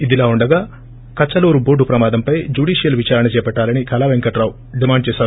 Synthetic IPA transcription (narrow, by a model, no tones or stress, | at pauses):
id̪ilaːuɳɖɐɡaː | kɐt͡ʃːɐloːɾuboːɖupɾɐmaːd̪ɐmpɐjd͡ʒuɽiːʂijɐlʋit͡ʃaːɾɐnɐt͡ʃɛːɐpɛʈːaːlɐnikɐlaːʋeŋkɐʈɾaːw | ɖimaːɳɖ̚t͡ʃɛːsaːɾu